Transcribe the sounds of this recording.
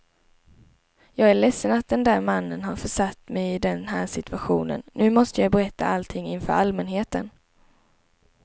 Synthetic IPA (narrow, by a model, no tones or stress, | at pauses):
jɑːɡæɭɛsːənat̪̚d̪ɛnd̪æːɾmanːənɦaɾfœʂat̪ːmɛjɪd̪ɛnɦæːʂɪt̪ɵaɧuːnə̰nːʉ̟ːmɔst̪əjajbɛɾɛt̪ʰːa̰alt̪ʰɪŋːɪnfœ̰ɾalmɛnɦeːt̪ən